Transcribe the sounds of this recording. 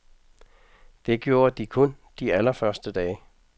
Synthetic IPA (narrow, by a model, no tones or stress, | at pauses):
d̥e̝ɡ̥jo̝ːɐd̥ikʰɔ̽nd̥iælɐfɶɐsd̥əd̥ɛːɪ